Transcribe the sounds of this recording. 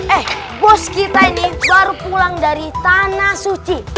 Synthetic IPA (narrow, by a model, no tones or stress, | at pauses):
ɛh | bɔskit̪ainibaɾupulaŋdaɾit̪anasut͡ʃi